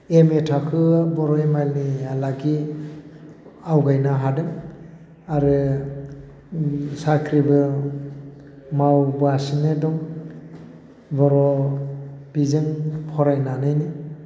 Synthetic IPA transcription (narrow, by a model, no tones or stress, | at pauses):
emetʰakʰɯbɔɾɔemajlnialaɡi | awɡajnaɦadɯm | aɾɯ | sakʰɾibɯ | mawbɯasɯnɯdɔŋ | bɔɾɔ | b̥izɯŋpʰɔɾajnanɯjni